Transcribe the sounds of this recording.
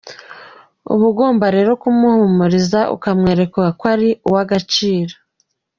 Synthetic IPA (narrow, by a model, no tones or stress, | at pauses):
ṵβuɡoːmbaɾe̞ːɾo̞kumuhumuɾizaʔṵkamŋe̞ːɾe̞kuɡakwaɾiuwaɡat͡ʃiːɾḁ